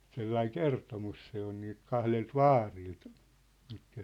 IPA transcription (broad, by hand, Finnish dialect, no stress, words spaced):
selːɑiŋ kertomus se on niːlt kɑhlelt ʋɑːrilt mitkæ